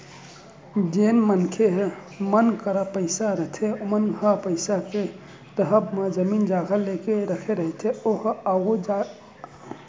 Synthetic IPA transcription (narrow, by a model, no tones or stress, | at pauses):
d͡ʒenmənkʰeɦ | mənkəɾəpəɪsaɾəɦt̪ʰeomənɡʱəpəɪsake | t̪əɦəbmed͡ʒəmind͡ʒaɡʱəlekeɾəkʰeɾəɦɛt̪ʰeoɦaɡod͡ʒa